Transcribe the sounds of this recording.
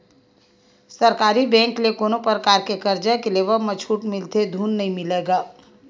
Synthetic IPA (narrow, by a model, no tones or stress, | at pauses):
səɾkaːɾibɛ̃ːŋklekoːnopɾəkaːɾkekəɾd͡ʒakeleʋəmət͡ʃʰuːʈmɪlt̪ed̪ʱuːnːɐɦĩmɪleːɡaː